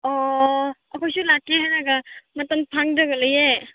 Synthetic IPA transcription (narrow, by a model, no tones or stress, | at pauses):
ɔ | ɐkʰojsulakːeɦajnaɡamɐtɐnpʰaŋdɔɡɐlɯje